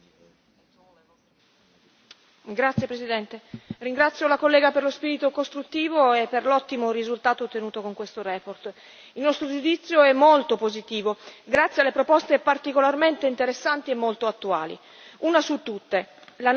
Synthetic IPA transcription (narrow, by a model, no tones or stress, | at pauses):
ɡɾat̪sjepɾesid̪ɛnt̪eriŋɡɾat̪sːjolakolːɛːɡaperlospiːɾit̪okost̪ɾut̪ːiːvoepːerlɔt̪ːimorizult̪aːt̪ot̪ːenuːt̪okoŋkwest̪oɾɛːport̪ | ilnɔst̪ɾod͡ʒud̪it̪sːjoɛmːolt̪opozit̪iːvoɡɾat̪sːjealːepɾopɔst̪epart̪ikolarment̪eint̪eɾesːant̪iemːolt̪oat̪ːua̰ːlḭ | uːnasut̪ːut̪ːela